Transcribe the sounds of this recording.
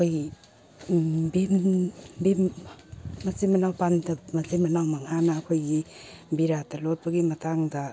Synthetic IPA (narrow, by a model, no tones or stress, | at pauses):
kʰoj | bembemː | ɐsemɐnawpandamɐzemɐnawmaŋanaːkʰojɡibiɾatalot̚bɐɡimɐtʰaŋda